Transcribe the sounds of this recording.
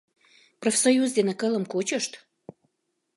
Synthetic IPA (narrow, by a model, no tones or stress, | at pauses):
profʲsojuzd̪ʲenəkə̆lə̆mkot͡ɕəʃt̪